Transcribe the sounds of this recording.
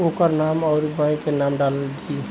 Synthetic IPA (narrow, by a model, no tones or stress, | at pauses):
okəɾnamɔʊɾbə̃ẽkenamɖald̪i